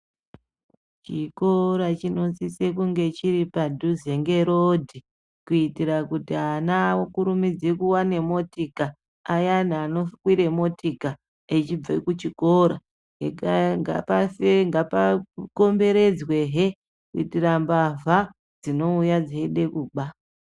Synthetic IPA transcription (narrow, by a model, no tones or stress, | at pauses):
t͡ʃiko̞ɾat͡ʃino̞sise̞kuŋɡe̞t͡ʃiɾipadʱuzeŋɡe̞ɾodʱi | kuitiɾakutianawokuɾumid͡zekuwane̞mo̞tikaː | janaːno̞fkwiɾe̞mo̞tika | et͡ʃib͡vekut͡ʃikoɾa̰ | ekaŋɡa̰pafeŋɡapako̞mbe̞ɾe̞d͡zwe̞ɦe | kuitirambavʱa | d͡zino̞ujad͡zeɗe̞kuːɓa